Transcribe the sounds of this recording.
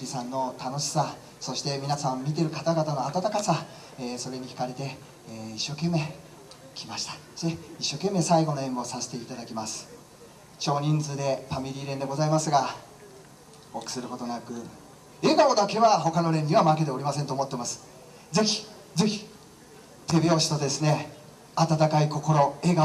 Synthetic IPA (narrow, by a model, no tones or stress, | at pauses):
ɾʲisãnːo̞t̪ano̞ɕi̥sa | so̞ɕi̥t̪e̞mʲinasãmmʲit̪̬e̞ɾɯ̟kat̪aɡat̪ano̞at̪at̪akasa | eːso̞ɾe̞ɲ̟içi̥kaɾe̞t̪e̞ː | iɕːo̞ːke̞mːe̞ː | kʲʰimaɕi̥t̪ḁeiɕːo̞ːkẽ̞mːeːsaiɡo̞no̞ẽ̞ŋɡo̞sase̥t̪e̞it̪ad̪akʲimasɨ̥ | t͡ɕo̞ːɲ̟ĩnd͡zɨd̪e̞ɸamʲiɾʲiːɾẽ̞nd̪e̞ɡo̞zaimasɨɡa | okɯ̥sɨɾɯ̟ko̞t̪o̞nakɯ̟ | e̞ɡaod̪ake̞βaɦo̞kano̞ɾẽ̞ɲːʲĩβamake̞t̪e̞oɾʲimasẽnt̪oːmo̞t̪ːe̞masɨ̥ | d͡ze̞çʲi̥ | ze̞çʲi̥ | t̪e̞bʲio̞ːɕi̥t̪o̞d̪e̞sɨne̞ | at̪at̪akaiko̞ko̞ɾo̞e̞ːɡa